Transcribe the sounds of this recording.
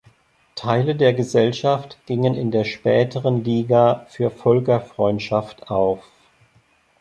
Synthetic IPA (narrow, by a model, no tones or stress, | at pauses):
tʰaɪlədeːɐɡəzɛlʃaftɡ̥ɪŋənɪndeːɐʃpɛːtʰəʁənliːɡaːfyːɐfɔlkɐfʁ̥ɔʏntʃaftʔaʊf